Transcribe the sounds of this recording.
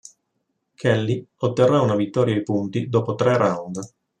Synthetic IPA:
kʰɛlːiot̪ːerːaunavit̪ːɔːɾjaipunt̪id̪oːpot̪ɾɛrawnd̪

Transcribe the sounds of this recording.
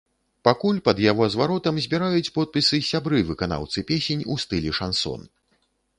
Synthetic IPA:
pakulʲpɐd̪jaɣɔzvaɾɔt̪ɐmzʲbʲiɾajut͡sʲpɔt̪̚pʲisɨsʲabɾɨvɨkana̰wt̪sɨpʲesʲenʲust̪ɨlʲɛʂansɔ̰n

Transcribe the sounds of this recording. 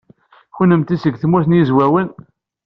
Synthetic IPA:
xunəmt̪isəɡθəmːuθənjizwæwən

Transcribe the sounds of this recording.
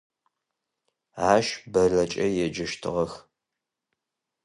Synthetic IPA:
aːʃbɐrɐt͡ʃʼɐjɛd͡ʒɐʃtʰɨ̰ʁɐx

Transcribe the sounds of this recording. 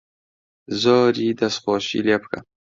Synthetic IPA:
zɔːɾid̪asχoːɕḭlapka̰

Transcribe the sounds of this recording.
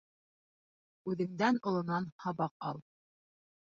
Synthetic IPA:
ʉðɘ̆ŋd̪ænŏlˠɤ̆nɑnhɑβɑqɑ̰lˠ

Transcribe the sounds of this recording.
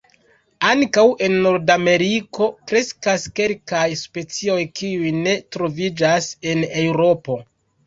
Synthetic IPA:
aŋkawʔe̞nːo̞ɾdame̞ɾiko̞kɾe̞skaske̞lkajspe̞t͡sio̞jkʰiujne̞tɾo̞vid͡ʒase̞ne̞wɾo̞po̞

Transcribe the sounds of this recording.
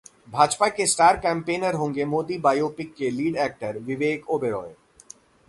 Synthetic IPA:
bʱaːd͡ʒpakesʈaːɾkɛ̃ːmpeːnəɾɦõːŋɡemoːd̪ibaːjoːpɪkːeliːɖɛːk̚ʈəɾʋɪʋeːkoːbeɾɔ̰ːe

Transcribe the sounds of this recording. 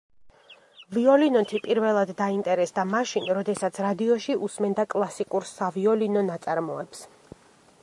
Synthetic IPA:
viɔlinɔt̪ʰipʼiɾvɛlˠad̪ːaint̪ʼɛɾɛsd̪amaʃinɾɔd̪ɛsat̪sʰɾad̪iɔʃiʔusmɛnd̪akʼlˠasikʼuɾsaviɔlinɔnat̪sʼaɾmɔɛps

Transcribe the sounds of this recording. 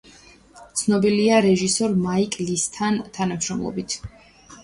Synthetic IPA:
t̪sʰnɔbiliaɾɛʒisɔɾmaikʼlist̪ʰant̪ʰanamʃɾɔmlˠɔ̰bit̪ʰ

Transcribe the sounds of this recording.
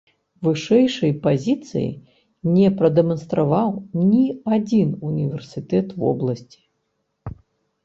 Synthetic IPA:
vɨʂɛjʂɐjpazʲit̪sɨ̰jḭ | nʲɛpɾɐd̪ɛmɐnst̪ɾavawnʲiad͡zʲinunʲivʲɛrsʲɨt̪ɛt̪vɔ̰blˠɐsʲt͡sʲi̥

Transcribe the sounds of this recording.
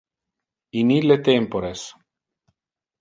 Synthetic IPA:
inilet̪empoɾes

